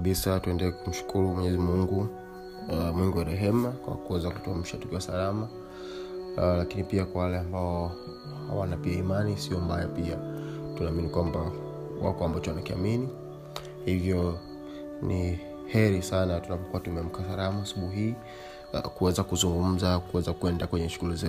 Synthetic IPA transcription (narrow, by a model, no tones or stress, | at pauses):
ɓisatuɛndɛlɛkum̩ʃu̥kʰuɾumɛɲɛzimuŋɡu | mwiŋɡiwaɾɛɦɛmakwa̰kuɛzaku̥tuam̩ʃatukiwasalama | lakinipiakwawalɛambaɔ | ha̰wanapiaimanisiɔmbajapiatunaːminikwamba | wa̰kɔambat͡ʃɔwanakia̰mini | hivjɔ | ni | hɛɾisanatunapɔkuatumɛm̩kasalamaasuɓuhii | kuɛzakuzuŋɡum̩zakuwɛzakuɛndakwɛɲɛʃuɣulizɛ